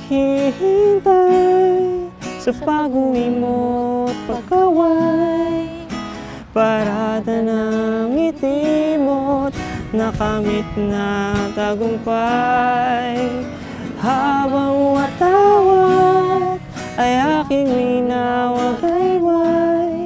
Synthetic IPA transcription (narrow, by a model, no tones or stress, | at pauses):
hihint̪a | sɐpaɡuŋimot̪̚pɐɡawaj | paɾad̪ɐnaŋit̪imot̪̚nɐkamɪt̪̚nat̪aɡʊmpa | j | habaŋuat̪awa | ajakɪŋwinawaɡ̪ajwaj